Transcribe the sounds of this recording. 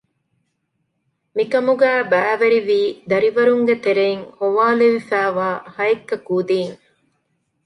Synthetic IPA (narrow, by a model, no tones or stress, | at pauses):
mikɐmuɡæːbæːʋeɾiʋiːd̪ɐɾiʋɐɾuŋɡet̪eɾeiŋhoʋaːleʋifæːʋaːhɐekːɐkuːd̪iːŋ